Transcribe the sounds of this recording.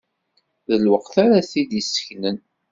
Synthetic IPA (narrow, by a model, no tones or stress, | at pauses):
ðəlwəqθaɾaθid̪isːə̥çnən